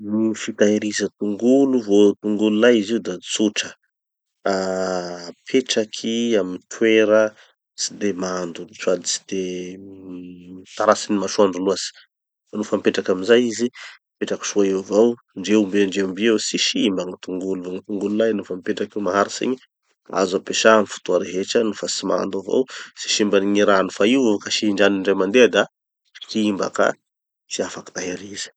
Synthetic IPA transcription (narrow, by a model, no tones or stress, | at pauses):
nifit̪aeɾizət̪uŋɡuluvot̪uŋɡululajiziud̪at͡suʈ͡ʂə | a | pʰeʈ͡ʂakʰiamint̪ʰweɾə | t͡sid̪emand̪uit͡ʃuad̪it͡si̥d̪̥e | t̪aɾasinimaʃuaɳɖ͡ʐuluaz̥i̥ | fanufəmipeʈ͡ʂakaminzajizi | peʈ͡ʂaki̥ʃuaeavaw | ɳɖ͡ʐeumbeɳɖ͡ʐembiewsiʃimbaŋit̪uŋɡuluvaŋit̪uŋɡululajnufamipeʈ͡ʂakewmaɦaɾisḛɲi | a̰zapeʃamifu̥t̪uaɾeɦeʈ͡ʂənufasima̰nd̪avo̰wsi̥ʃimbaniɲiɾanufaiwkaʃiɳɖ͡ʐaniɳɖ͡ʐemand̪ead̪a | kiimba̰ka̰ | t͡siafaki̥t̪aɦeɾizi̥